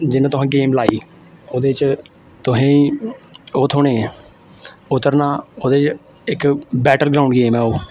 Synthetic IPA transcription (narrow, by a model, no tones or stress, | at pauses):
d͡ʒɪnãːt̪ʊɦãːɡeːmlaːiː | oːd̪eːt͡ʃ | t̪ʊɦĩː | oːt̪ʰoːɳeː | ʊt̪ːəɾnaːoːd̪eːt͡ʃ | ɪkbɛːʈəlɡɾaːʊ̃ɳɖɡeːmɛ̃ːoː